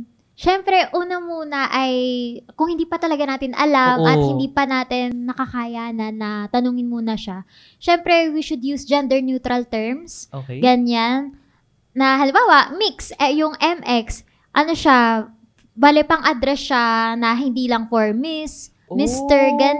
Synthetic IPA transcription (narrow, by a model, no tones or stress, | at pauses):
ʃɛmpɾɛʔuːnɐmuːnɐʔɐjkʊŋhɪnd̪iːpɐt̪ɐlɐɡanaːt̪ɪnʔɐ̰lamʔɐt̪hɪnd̪iːpɐnaːt̪ɪnːɐkɐkaːjanɐnɐt̪ɐnʊːŋɪnmuːnɐʃa | ʃɛmpɾɛwiʃʊd̪juːsd͡ʒɛnd̪ɛɹnjuːt̪ɾɐlt̪ɛɹmsɡɐɲanː | ɐɦɐlɪmbaːwɐmiksjʊŋʔɛmʔɛks | ʔɐnoʃa | baːlɛpɐŋʔɐd̪ɾɛsʃanɐɦɪnd̪iːlɐŋfɔɹmɪs | mɪst̪ɛɹɡɐn